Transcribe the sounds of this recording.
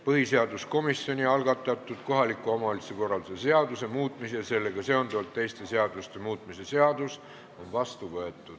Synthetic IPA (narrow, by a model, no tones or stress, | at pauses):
pɤɦise̞ɑd̪usko̞misjo̞nʲiɑlɡɑt̪ˑːɑt̪ːˑud̪̥ko̞ɦɑlikːˑuɑmɑoliseko̞rɑld̪sese̞ɑd̪use̞muːt̪ˑmiseɑse̞lːe̞ɡ̥ɑse̞ond̪uɑlt̪ːe̞jst̪e̞se̞ɑd̪ust̪e̞muːt̪ˑmise̞se̞ɑd̪̥us | o̞nvɑst̪uvɤe̞t̪ːˑud̪̥